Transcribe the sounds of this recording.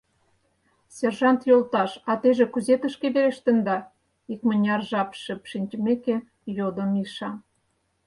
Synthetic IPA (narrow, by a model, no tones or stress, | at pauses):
serʒɑnt̪jolˠt̪ɑʃɑt̪eʒĕkuzet̪ə̆ʃkeβeɾeʃt̪ə̆nd̪ɑ | ikmə̆nʲɑrʒɑpʃə̆pʃinʲt͡ɕmeke | jod̪ə̆miʃɑm